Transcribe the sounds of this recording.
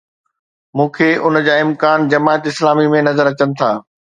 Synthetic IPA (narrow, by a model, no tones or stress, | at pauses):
mũːkʰeːʔʊnd͡ʑaːɪmkaːnd͡ʑɐmaːət̪ɪslaːmimẽnɐzəɾɐt͡ɕənɪ̆t̪ʰaː